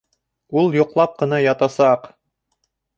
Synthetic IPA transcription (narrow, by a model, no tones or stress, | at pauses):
ulˠjŏqlˠɑp̚qɤ̆nɑjɑt̪ɑsɑq